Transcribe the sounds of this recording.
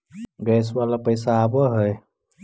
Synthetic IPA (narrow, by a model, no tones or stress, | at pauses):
ɡɛswalapəjsaːbəɦəj